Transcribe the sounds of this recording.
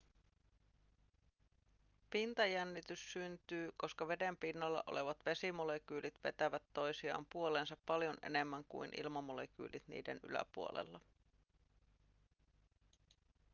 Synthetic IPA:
pint̪ɑjænːit̪ysːynt̪yːko̞skɑʋe̞de̞mpinːɑlːɑ̰ʔo̞̰le̞ʋɑt̪ʋe̞simole̞k̟yːlit̪ʋe̞t̪æʋæt̪ːo̞jsiɑ̰ːmpuo̞leːnsɑpːɑljo̞ne̞ne̞mːæŋkṵinʔḭlmɑmo̞lek̟y̰ːlit̪nḭːdeny̰læ̰puolḛlːɑ

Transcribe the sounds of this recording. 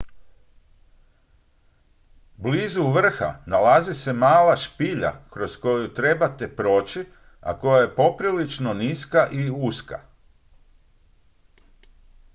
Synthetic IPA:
bliːzuʋr̩xa̰nalazise̞maːlaʃpiʎa̰kɾo̞sko̞jut̪ɾe̞bat̪e̞pɾo̞ːt͡ɕi | a̰ko̞jaje̞po̞pɾilit͡ʃno̞niskaʔiuska̰

